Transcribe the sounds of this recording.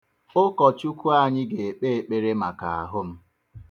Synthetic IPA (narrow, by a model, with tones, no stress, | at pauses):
ʊ˦kɔ˨t͡ʃu˦ku˦a˦ɲɪ˦ɡe˨e˨k͡pe˦e˨k͡pe˦ɾe˦ma˨ka̰˨a̰˨ɦʊ˦m̩˦